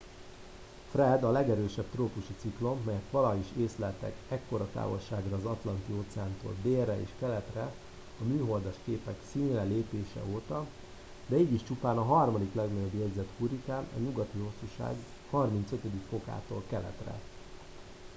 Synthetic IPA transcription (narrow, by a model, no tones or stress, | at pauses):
frɛd̪ɒlɛɡɛɾøːʃɛbt̪roːpuʃit̪siklo̞mːɛjɛt̪ʋɒlɒiʃeːslɛlt̪ɛ̰kɛkːo̞ɾɒt̪a̰ːvo̞̰lʃaːɡrɒːzɒt̪lɒnt̪ioːt̪sɛaːnt̪o̰ːld̪eːrːɛḛːʃkɛlɛt̪rɛ | ɒmyːɦo̞ld̪ɒʃkeːpɛksiːnrɛleːpeːʃɛ̰oːt̪ɒ | d̪ɛiːɟiʃt͡ʃupaːnɒɦɒrmɒd̪iklɛɡnɒɟo̞bjɛɟzɛt̪huɾit̪aːnɒ̰ɲuɡɒt̪iɦo̞sːuʃa̰ːɡ | hɒrmint̪søt̪ød̪ikfo̞ka̰ːt̪o̰ːlkɛlɛ̰t̪rɛ̰